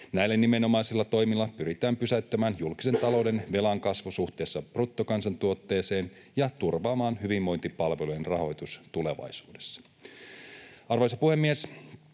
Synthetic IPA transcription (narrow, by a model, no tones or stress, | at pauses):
næjlːenːime̞no̞mɑjsilːɑt̪o̞jmilːɑpyɾit̪æːmpysæyt̪ːømæːnjulki̥se̞nt̪ɑlo̞wde̞nʋe̞lɑŋkɑsʋusuht̪e̞ːsːɑprut̪ːokɑnsɑnt̪uo̞t̪ːe̞ːse̞ːn | jɑt̪urʋɑːmɑːnɦyʋimʋo̞jnt̪ipɑlʋelujenrɑɦo̞jt̪ust̪ule̞ʋɑ̰jsuːde̞̥sːɑ̥ | ɑrʋojsɑpuhe̞mːies